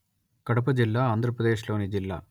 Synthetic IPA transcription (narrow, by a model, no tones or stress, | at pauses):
kɐɽɐp̬ɐd͡ʒilːaːaːnd̪ʱɾɐpɾɐd̪e̞ːʃlo̞ːnid͡ʒilːa̰ː